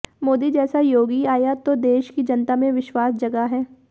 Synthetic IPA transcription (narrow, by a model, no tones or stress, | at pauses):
moːd̪id͡ʒɛːsajoːɡiaːjat̪od̪eːʃkid͡ʒɐnt̪amẽʋɪʃwaːsd͡ʒɐɡaɦɛː